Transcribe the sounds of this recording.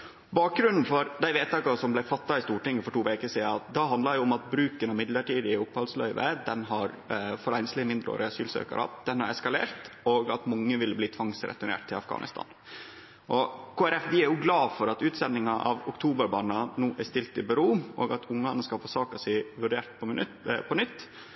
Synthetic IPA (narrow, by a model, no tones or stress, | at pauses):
bɑːk̚ɡɾʉnn̩fɔɾd̪æɪʋeːt̪ɑːkɑsɔmblæɪfɑt̪ːɑɪst̪uːʈɪŋːəfɔʈuːʋeːkəʂiːd̪ɑt̪̚d̪ɑɦɑnd̪lɑɾjʊɔmɑt̪̚bɾʉːkənɑmɪd̪ləʈiːd̪ɪʊphɑlslœ̰ʏʋə̰d̪ɛnɦɑɾ | fɔɾæɪnslɪmɪnd̪ɾəo̰ːɾəɑsyːlsø̰ːkɑ̰ɾɑ̰d̪̥ɛnhɑɾɛskɑlḛːɾt̪oɡɑt̪mɑŋːəʋɪlbliːt̪ʰʋɑŋsɾɛ̰t̪ʉɳḛːʈt̪ʰɪlɑfɡɑ̰ːnɪ̰st̪ɑ̰ːn | ʔɔkʰoːæɾɛfʋɪæɾjʊɡlɑːfɔɾɑt̪ʉːt̪sɛnːɪŋɑʔɑ̰ʋʊkt̪ʰuːbəɾbɑːnɑnuːʔæst̪ɪlt̪ɪbɛɾuːʔo̰ːɡɑt̪ʰʊŋːɑnəskɑlfoːsɑːkɑsæʋʉɖeːɾʈ̪pʰɔpʰɔnʏt̪ː